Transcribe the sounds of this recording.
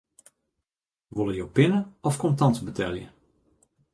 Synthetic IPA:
ʋolˠəjowpɪnəɔfkɔmtɑntbətʰɛlˠjə̰

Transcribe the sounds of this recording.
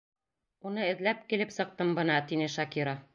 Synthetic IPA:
unɤɘ̆ðlæp̚kilɘpsɤ̆q̚t̪ɤmbɤ̆nɑt̪inɘʃɑkiɾo

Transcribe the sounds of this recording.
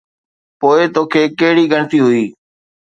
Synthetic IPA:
poːɪt̪oːkʰeːkeɦɽiːɡʱəɳt̪iːɦʊiː

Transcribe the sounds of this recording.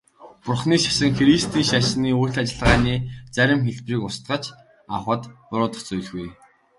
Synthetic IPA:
pʊrχniːʃḁʃə̆ŋxeɾist̪iːŋʃaʃniːujʰt̪at͡ɕɪ̆ɮʁaːniːt͡sæɾʲɪ̆mxeɮpriːkʊst̪ɢə̆t͡ɕ | awχə̆t̪pʊɾʊːt̪ə̆χt͡sujɮɣuj

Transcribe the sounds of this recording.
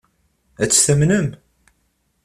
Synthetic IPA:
æt͡sːθəmnəm

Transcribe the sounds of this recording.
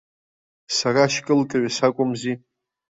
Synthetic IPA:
saraʃkʼɨlkʼaɥasakʷʼʊmzi

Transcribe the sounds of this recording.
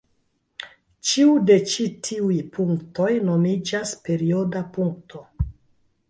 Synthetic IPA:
t͡ʃiude̞t͡ʃitʰiujpʰuŋkto̞jnomid͡ʒaspe̞ɾiodapuŋktʰo̞

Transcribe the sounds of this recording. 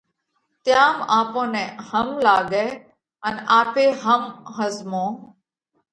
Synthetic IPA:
t̪jaːmaːpõːnɛ̃ːhəmlaːɡɛː | ənaːpeːɦəmɦəzmõː

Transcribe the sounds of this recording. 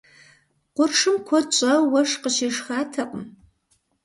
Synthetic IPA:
qʷʊrʂɨmkʷʰɔt͡ʃʷʼɐwɐʂqəʃeːʂxaːtʰɐqʷʼəm

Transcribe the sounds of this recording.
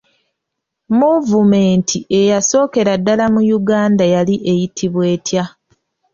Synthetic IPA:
muvume̞ːntʰie̞jaso̞ːke̞ɾadːalamujuɡaːndajaliʔe̞jitʰiβwe̞ːtja

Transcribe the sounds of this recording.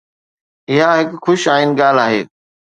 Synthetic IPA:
ɪɦaɦɪkxʊʃaːinɡaːl̤aːɦḛː

